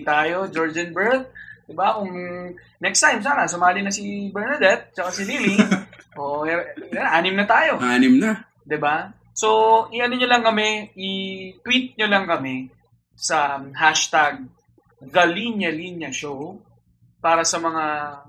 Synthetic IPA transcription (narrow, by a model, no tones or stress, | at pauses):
t̪aːjod͡ʒoɹd͡ʒɐnbɛɹt̪̚d̪ɪbakʊŋ | nɛkst̪ajmsaːnɐsʊmaːlɪnɐsibɛɹnɐd̪ɛt̪̚t͡ʃɐkasɪliliʔoːʔoʔɛanʔaːnɪmnɐt̪aːjo̞ʔaːnɪmna | d̪ɪba | soʔɪʔɐnoɲolɐŋkɐmɛʔɪt̪wit̪̚ɲolɐŋkɐmɛ | sɐɦaʃt̪aɡ̚ | ɡɐliɲɐliɲɐʃow | paːɾɐsɐmɐŋa